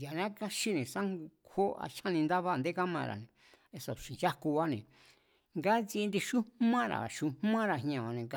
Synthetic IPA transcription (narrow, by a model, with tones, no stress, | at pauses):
ja˨nã˦ka˦ʃi˦nẽ˨sã˦ŋɡu˧kʰo˦a̰˧ʃã˦nĩ˧nd̪a˦βa˦˧nd̪e˦ka˦mã̰˧˨ɾa̰˨nẽ˨ | e˧so˨ʃi˨nja˦ku˧βa˦nẽ˨ | ŋɡa˦t͡si˧nd̪i˧ʃu˦mã˦ɾa̰˨ʃu˧mã˦ɾa˨ɦɲ˧ã˧˨βa˧nẽ˨ka˧